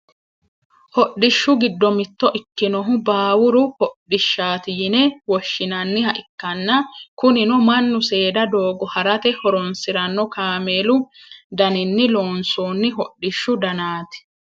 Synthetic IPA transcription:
hɔɗːɪʃːʊɡɪd̪ːɔmɪt̪ːɔʔɪkːɪnɔɦʊbaːwʊɾʊhɔɗɪʃːaːt̪ɪjɪnɛwɔʃːɪnɐnːɪhɐʔɪkːɐnːɐkʊnɪnɔmɐnːʊse̞ːd̪ɐd̪oːɡɔhɐɾɐt̪ɛhɔɾɔnsɪɾɐnːɔkaːmeːlʊd̪ɐnɪnːɪlo̞ːnsoːnːɪɦɔɗːɪʃːʊd̪ɐnaːt̪ɪ̥

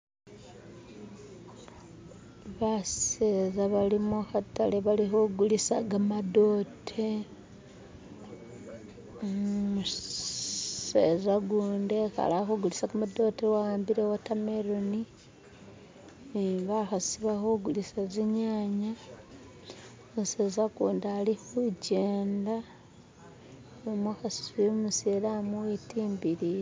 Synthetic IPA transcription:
βasezaβalimuxata̰leβalixoɡulisaɡamado̞ːtʰe | omu | sḛzaɡuːndexa̰laxoɡulisaɡamado̞tewaaːmbiɾewatameɾoni | iβaxasiβaxoɡulisaziɲaːɲa | oseːzakuːndalihuɟeːnda | omaxasu̥siomuselamuwetiːmbiɾije

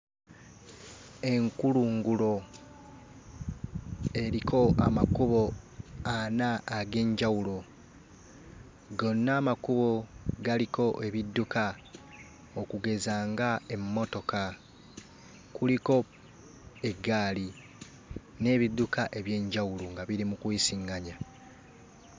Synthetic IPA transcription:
e̞ŋkuluːŋɡulo̞ | e̞ɾikʰo̞a̰makuβo̞anaːɡe̞ːɲɟawulo̞ | ɡo̞nːaːmakuβo̞ɡaliko̞ʔe̞βidːuka | okuɡe̞zaːŋɡae̞mːo̞to̞ka | kuliko̞ | e̞ɡaːli | ne̞ːβidːukaʔe̞βje̞ːɲɟawuloŋɡaβiɾimukwiːsiŋɡaɲa

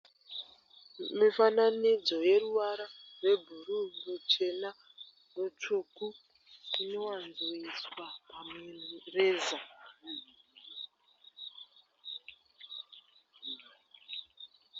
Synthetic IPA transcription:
mifananid͡zo̞je̞ɾuwaɾarwe̞bʱuɾumut͡ʃe̞na | rut͡ʂuku | ino̞wanzuiswapamereːza

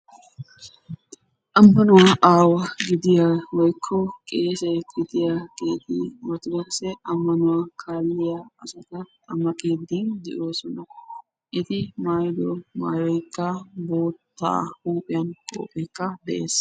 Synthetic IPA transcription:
ʔɐmːɐnʊwaʔaːwɐɡɪd̪ɪjawɔjkʰːɔkʼe̞ːsɛjɡɪd̪ɪjaɡe̞ːt̪imɐt̪ʊd̪ɛkɐsɛʔɐmːɐnʊwakʰaːlːɪjaɐsɐt̪ɐ | ɐmɐkʼeːd̪ind̪ɛʔo̞ːsɔnɐ | ʔɪt̪ɪmaːjd̪ɔmaːjɔjkːɐbo̞ːt̪ʰːa̰ːhuːpʼɪjɐnkʼo̰ːpʼɛjkːɐd̪ɛʔe̞ːs

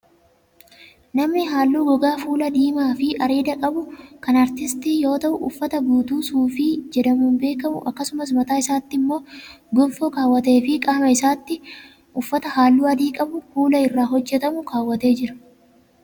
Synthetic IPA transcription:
nɐmnɪɦaːlːuːɡɔɡaːfuːlɐd̪iːmaːfɪʔɐɾiːd̪ɐkʼɐbʊkɐnɐɾt̪ɪst̪iːjo̞ːt̪ɐʔʊʊ̰fːɐt̪ɐbuːt̪uːsuːfiːd͡ʒɛd̪ɐmuːnbe̞ːkɐmʊ̰ʔɐkːɐsʊmɐs̬mɐt̪aːɪsaːt̪ːɪmːo̞ː | ɡɔnfɔkaːwːɐt̪e̞ːfɪkʼamɐɪsaːt̪ːɪ | ʔʊfːɐt̪ɐhaːlːuːɐd̪iːkʼɐbʊfuːlɐɪrːaːɦɔd͡ʒːɛt̪ɐmʊkaːwːɐt̪e̞ːd͡ʒɪɾɐ̥

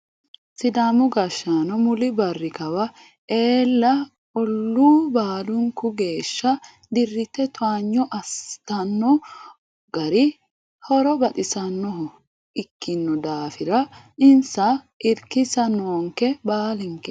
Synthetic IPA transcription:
sɪd̪amʊɡɐʃːaːnɔmʊlɪbɐrːɪkɐwɐ | ʔe̞ːlːɐ | ɔlːuːbaːlʊŋkʊɡe̞ːʃːɐ | d̪ɪrːɪt̪ːɛt̪ʊaːɲːɔʔɐst̪ɐnːɔ | ɡ̥ɐɾɪ | hɔɾɔbɐt̪ʼɪsɐnːɔɦɔ | ɪkːɪnːɔd̪aːfɪɾɐ | ɪnsɐ | ʔɪɾkɪsɐnoːŋkɛbaːlɪŋkɛ

